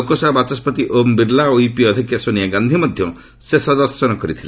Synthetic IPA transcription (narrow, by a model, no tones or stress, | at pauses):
okosabat͡ʃɔspɔt̪iʔombiɾlaoipiɔd̪ʱikjasonijaɡand̪ʱimɔd̪ʱjɔ | sesɔd̪ɔɾsɔnɔkɔɾit̪ʰile